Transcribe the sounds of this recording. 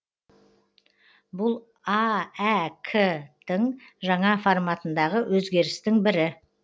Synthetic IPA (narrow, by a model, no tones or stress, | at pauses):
bʊlˠ | ɑækʰəd̪əŋʒɑɴɑformɑt̪ənd̪ɑʁəwʔɵzɡʲe̞ɾɪst̪ɪŋbɪɾɪ